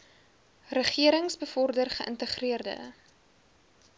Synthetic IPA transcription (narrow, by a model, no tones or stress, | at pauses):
rəχiəɾəŋsbəfɔrdərχəʔəntəχriərdə̰